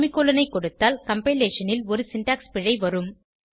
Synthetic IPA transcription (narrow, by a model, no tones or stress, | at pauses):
mɪkːoːlɐnɐɪkːɔɽɯt̪ːaːlkɐmpeleːʂɐnɪlɔɾɯsɪɳʈaːkspɪɻɐɪʋɐɾɯm